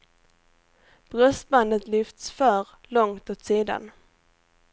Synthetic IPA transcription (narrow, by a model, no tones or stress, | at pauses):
b̥ɾœst̪band̪ət̪lʏft̪sfœɾ | lɔŋt̪oːt̪siːd̪a̰n